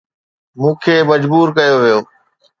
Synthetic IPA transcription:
mũːkʰeːmɐd͡ʑbuːɾkɐjoʋijoː

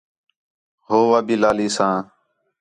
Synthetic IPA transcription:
ɦoːʋaːbiːlaːliːsãː

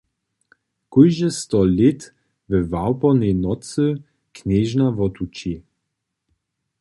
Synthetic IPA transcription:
kujʒəst̪ɔlet | vəvawpɔnɛnɔt͡sə | kneːʒnavɔt̪ut͡ʃi

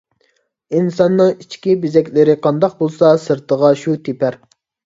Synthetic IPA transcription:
insɑnːɨŋit͡ʃkʲibezɛkʲlɪɾɪqʰɑnd̪ɑq̚bolˠsɑsɨɾt̪ʰəʁɑʃut̪ʰepʰæɾ

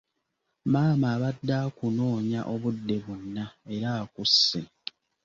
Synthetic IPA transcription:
maːmaːβadːaːkuno̞ːɲaʔo̞βudːe̞βunːae̞ɾaːkusːe

